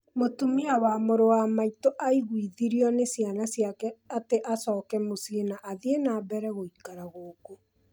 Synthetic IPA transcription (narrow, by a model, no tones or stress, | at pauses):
motumiawamoɾowamaitoʔaiɣwiðiɾiɔnesianasjakɛateʔasɔːkɛmosienaʔaðienabɛɾɛɣoikaɾaɣoːko